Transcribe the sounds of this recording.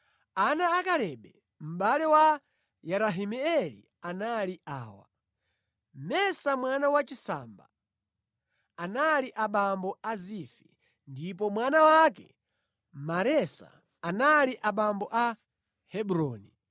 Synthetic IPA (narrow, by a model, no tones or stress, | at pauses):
anaːkaɾɛɓɛ | m̩ɓalɛwa | jaɾaɦimɛɛlḭ | analiʔaːwa̰ | mɛsamwanawat͡ʃisa̰mba̰ | analiʔaɓambɔazifḭ | ndip̬ɔmwanawakɛ | maɾɛsa̰ː | naliʔaɓambɔʔa | hɛɓuɾɔːni